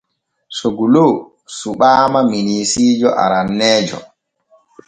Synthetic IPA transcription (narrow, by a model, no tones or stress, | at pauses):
soɡuloː | suɓaːmaminiːsiːd͡ʒɔʔa̰ɾanːɛːd͡ʒɔ̰